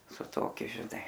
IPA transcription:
sʊ ˈtoːkʲʊ ʒʲɪˈnɐɪ

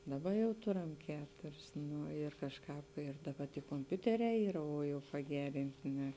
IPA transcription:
ˈdɑːˌbɐ jɛʊ ˈtʊrɐm ˈkʲæːtʊrʲɪs ˈnʊ ɪr kɐʃˈkɑːp ɪr dɐˈbɐ tʲiː koːmʲˈpʲʊtʲɛˌrʲɛː ˈiːrɐ oː ˈjɛʊ pɐˈɡʲæːrʲɪnʲtʲɪ nʲɛ

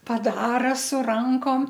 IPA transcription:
pɐˈdɑːrɐ sʊ ˈrɐŋkoːm

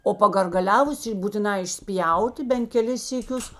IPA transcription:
oː pɐɡɐrɡɐˈlʲæːʋʊs buːtʲɪˈnɑː ɪʃʲˈsʲpʲjɛʊtʲɪ bʲɛn kʲɛˈlʲɪs sʲiːˈkʲʊs

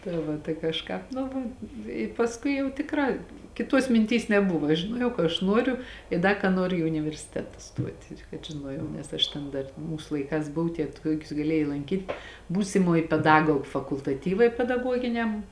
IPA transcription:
tɐɪ ˈʋɐ tɐɪ kɐʃˈkɑːp ˈnʊ ʋɐ ɪ pɐsˈkʊɪ jɛʊ tʲɪkˈrɑː kʲɪˈtuɔs mʲɪnʲˈtʲiːs nʲɛˈbʊʋɐ ʒʲɪˈnuɔjɛʊ kɐ ɐʃ ˈnuɔrʲʊ ɪ ˈdɐ kɐ ˈnuɔrʲʊ ɪ ʊnʲɪʋʲɛrʲsʲɪˈtʲæːtɐ ˈstuɔtʲ ɪr kɐt ʒʲɪˈnuɔjɛʊ nʲɛs ˈɐʃ tʲɛn ˈdɐr ˈmuːs lˠɐɪˈkɑːs ˈbʊw tʲiɛ ˈtuɔkʲʊs ɡɐˈlʲeːjɛɪ lˠɐŋʲˈkʲiːtʲ ˈbuːsʲɪmoːj pʲɛˈdɑːɡoːk fɐkʊlˠtɐˈtʲiːʋɐɪ pʲɛdɐˈɡuɔɡʲɪnʲɛm

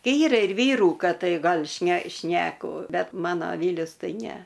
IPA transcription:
ˈiːrɐ ɪr ˈʋʲiːruː ˈkɐt ˈtɐɪ ˈɡɐlʲ ʃʲnʲɛ ˈʃʲnʲæːkʊ ˈbʲɛt ˈmɑːnoː ˈʋʲiːlʲʊs ˈtɐɪ ˈnʲɛ

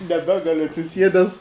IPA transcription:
nʲɛˈbʲæːɡɐlʲʊ ɐtʲsʲɪˈsʲiɛdʲɛs

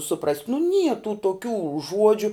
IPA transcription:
sʊˈprɐsʲtʲ nʊ nʲiɛ tuː toːˈkʲuː ˈʒuɔd͡ʒʲʊ

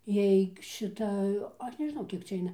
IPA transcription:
ˈjɛɪk ʃʲɪˈtɐ ˈɐʃ nʲɛʒˈnɐʊ ˈkʲiɛk t͡sʲɛ ˈɐɪnɐ

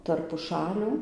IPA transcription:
tɐrp pʊˈʃɑːlʲuː

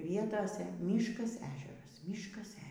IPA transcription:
ˈʋʲiɛtoːsʲɛ ˈmʲiːʃkɐs ˈæːʒʲɛrɐs ˈmʲiːʃkɐs ˈæːʒʲɛrɐs

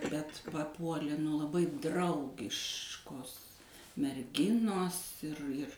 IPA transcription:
bʲɛt pɐˈpuɔlʲeː nʊ lˠɐˈbɐɪ ˈdrɐʊɡʲɪʃkoːs mʲɛrʲˈɡʲɪnoːs ɪr ɪr

